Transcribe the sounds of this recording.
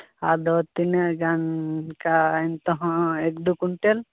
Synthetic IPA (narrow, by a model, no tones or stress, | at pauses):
ad̪ɔt̪ineɡankaint̪ɔɦɔ̃ek̚d̪ukuɳʈel